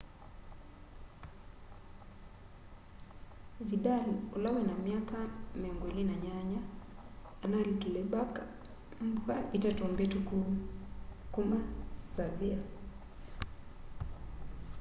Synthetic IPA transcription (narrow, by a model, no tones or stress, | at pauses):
viɗaluɔlawɛnamiakamɛŋɡwɛlinaɲaɲaː | nalikilɛbak | m̩buaitɛtɔmbɛtuku | kumasavia